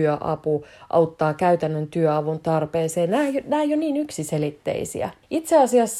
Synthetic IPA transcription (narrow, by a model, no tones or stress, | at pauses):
øʔɑ̰puʔɑ̰ut̪ːɑːkæyt̪ænːønt̪yøɑʋunt̪ɑrpeːseːnnæːjnæːjoniːnyksiselit̪ːḛisḭæ̰it̪seɑsiɑsː